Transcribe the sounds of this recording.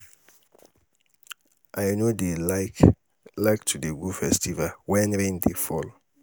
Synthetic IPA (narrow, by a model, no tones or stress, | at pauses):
ʔajnode | laktʰudeɡufɛstivalwɛ̃nɾẽndefɔl